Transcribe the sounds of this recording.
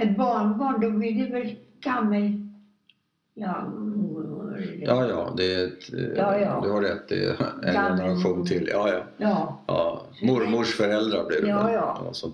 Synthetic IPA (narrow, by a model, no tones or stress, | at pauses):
ɛt̪bɑːɳbɑːɳd̪ɔvɪld̪əvɛɾkʰanmɛj | jɑːmʊɾmʊjʔɑːjɑ̰ːd̪ɛɛt̪ːjd̪ɵhaɾɛt̪ːɪ̰ɛ̰jɛnəɾaɧuːnt̪ʰɪlːjɑːjɑjɑːjɑ̰ː | mʊɾmʊʂfœɾɛld̪ɾablɪɾjɑːɑ̰sɔ